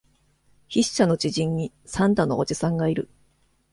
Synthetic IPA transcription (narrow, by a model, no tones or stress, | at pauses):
çiɕːano̞t͡ɕiʑĩɲːi | sãnt̪ano̞od͡ʑisãŋɡaiɾɯ̟